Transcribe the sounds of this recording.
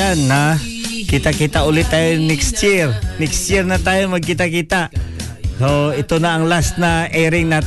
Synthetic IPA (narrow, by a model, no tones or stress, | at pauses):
anːa | kit̪akit̪aulɪt̪ːajonɛkst̪irnɛkst̪irnat̪ajomaɡ̚kit̪akit̪aʔ | soit̪onaːŋlasnaɛɾɪŋna